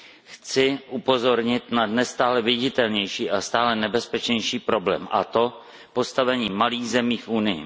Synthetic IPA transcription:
xt͡sɪʔupo̞zo̞ɾɲɪt̪nanɛst̪aːlɛvɪɟɪt̪ɛlɲɛjʃiːʔast̪aːlɛnɛbɛspɛt͡ʃɲɛjʃiːpɾo̞blɛ̰ːmʔa̰t̪o̞ | po̞st̪avɛɲiːmaliːɣzɛmiːfʔunɪjɪ̰

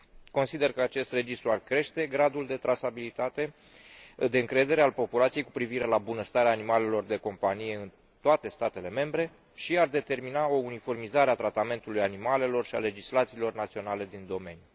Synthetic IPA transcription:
ko̞nsid̪e̞rkəat͡ʃe̞st̪re̞d͡ʒist̪ɾuarkɾe̞ʃt̪e̞ɡɾad̪uld̪e̞t̪ɾasabilit̪at̪e̞ | d̪e̞ɨŋkɾe̞d̪e̞ɾe̞alpo̞pulat̪sije̞jkupɾiviɾe̞labunəst̪aɾeaːnimale̞lo̞rd̪e̞ko̞mpanije̞ɨn | t̪oat̪e̞st̪at̪e̞le̞me̞mbɾe̞ | ʃiard̪e̞t̪e̞rminao̞unifo̞rmizaɾeat̪ɾat̪ame̞nt̪ulujanimale̞lo̞rʃia̰le̞d͡ʒislat̪silo̞rnat̪sio̞nale̞d̪ind̪o̞me̞nju

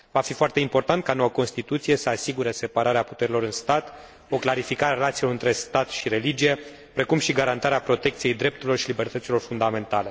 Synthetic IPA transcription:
vafifoart̪e̞impo̞rt̪ant̪̚kano̞wəko̞nst̪it̪ut̪sije̞səasiɡuɾe̞se̞paɾaɾeaput̪e̞ɾilo̞ɾɨnst̪at̪ | o̞klaɾifikaɾeaɾelat̪silo̞ɾɨnt̪ɾe̞st̪at̪ʃiɾe̞lid͡ʒije̞ | pɾe̞kumʃiɡaɾant̪aɾeapɾo̞t̪e̞k̚t̪sije̞jd̪ɾe̞p̚t̪uɾilo̞rʃilibe̞rt̪ət̪silo̞rfund̪ame̞nt̪ale̞

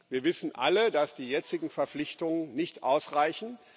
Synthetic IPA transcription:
viːɐvɪsn̩ʔa̰lədasd̥iːjɛt͡sɪɡŋ̩fɛɐflɪçtʊŋənnɪçtʔaʊsʁaɪçn̩

